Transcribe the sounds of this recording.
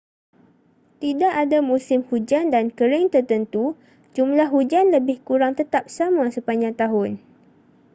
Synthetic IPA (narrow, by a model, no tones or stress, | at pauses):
t̪idaʔadamũsɪmhud͡ʒandankəɾɪŋt̪ərt̪ənt̪u | d͡ʒumlahɦud͡ʒanləbɪhkuɾaŋt̪ət̪ap̚samasəpaɲd͡ʒaŋt̪aɦʊn